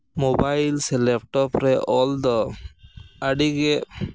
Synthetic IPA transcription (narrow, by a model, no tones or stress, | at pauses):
mobajlsɛlɛp̚ʈɔpɾɛʔɔld̪ɔ | aɖiɡɛ